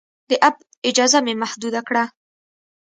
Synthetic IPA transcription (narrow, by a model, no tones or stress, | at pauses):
d̪əʔab̚ | ɪd͡ʒɑzamemahd̪ud̪akɽa